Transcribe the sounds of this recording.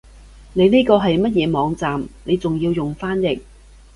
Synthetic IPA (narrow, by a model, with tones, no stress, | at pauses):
ne˨˧jniː˥kɔː˧ɦɐ˨jmɐ˥t̚jɛː˨˧mɔː˨˧ŋt͡saː˨mne˨˧jt͡sʊ˨ŋji˧wjʊ˨ŋfaː˥njɪ˨k̚